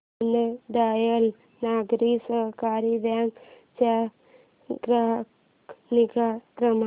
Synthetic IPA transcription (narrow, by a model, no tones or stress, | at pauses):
nəd̪aːjəl | naːɡɾisəɦkaːɾibjaŋk | t͡ʃa | ɡɾaɦk | nikakɾəm